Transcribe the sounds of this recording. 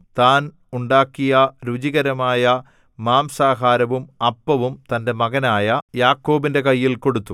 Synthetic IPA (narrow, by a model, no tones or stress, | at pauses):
t̪aːn | uɳɖaːkːijɐɾud͡ʑiɣɐɾɐmaːjɐ | maːmsaːɦaːɾɐʋumɐpːɐʋumt̪ɐnde̞mɐɣɐnaːjɐjaːkːo̞ːbinde̞kɐjːilko̞ɽut̪ːu